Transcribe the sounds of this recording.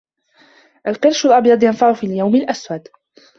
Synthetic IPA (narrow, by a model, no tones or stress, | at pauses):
ʔalqɪɾʃalʔɑbjɑd̪ˤjanfaʕʊfiːljawmalʔaswad̪